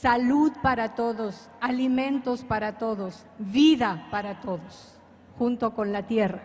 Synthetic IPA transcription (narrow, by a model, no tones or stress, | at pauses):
saluðpaɾat̪o̞ðo̞s | alimẽ̞nt̪o̞spaɾat̪o̞ðo̞s | βiðapaɾat̪o̞ðos | xunt̪o̞ko̞nlat̪jera